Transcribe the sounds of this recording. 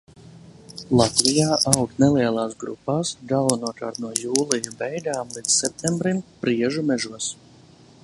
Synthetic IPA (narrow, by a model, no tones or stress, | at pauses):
lˠat̪vijaːʔawk̪nɛliɛlˠaːsɡɾṵpːaːsɡ̪alˠvanuɔka̰ːɾt̪nuɔjuːlˠijubɛjd̪aːmlˠid̪ssɛp̚t̪ʰʲɛmbɾimpɾiɛʒumʲɛʒuɔs